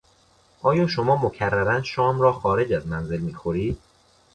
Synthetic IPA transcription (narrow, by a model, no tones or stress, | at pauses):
ʔɒːjɒːʃo̞mɒːmocʰærːæɾænʃɒːmɾɒːxɒːɾe̞d͡ʒæzmænze̞lmiːxo̞ɾiːd̪̥̚